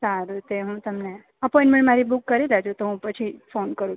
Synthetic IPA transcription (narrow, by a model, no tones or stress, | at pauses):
saɾut̪eɦũt̪əmne | əpɔĩɳʈmẽɳʈmaɾibukːəɾelad͡ʒot̪oɦũpət͡ʃʰifonkəɾũ